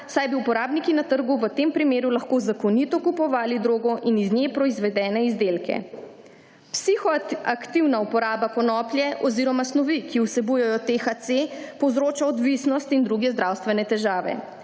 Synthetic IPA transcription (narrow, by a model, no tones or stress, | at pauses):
sajbiupɔɾaːbnikinat̪əɾɡuʋət̪empɾimeːɾulaxkoːzakɔnit̪ɔkupɔʋaːlid̪ɾoːɡɔʔiniznʲɛpɾɔizʋɛd̪ɛːnɛizd̪elkɛ̰ | psixɔakt̪iwnaupɔɾaːbakɔnɔːplʲjɛʔɔziɾɔmasnɔʋikiusɛbujɛjɔt̪exat̪sepɔwzɾoːt͡ʃaɔd̪ʋisnɔst̪ind̪ɾuɡɛzd̪ɾawst̪ʋɛnɛt̪ɛʒaːʋɛ̰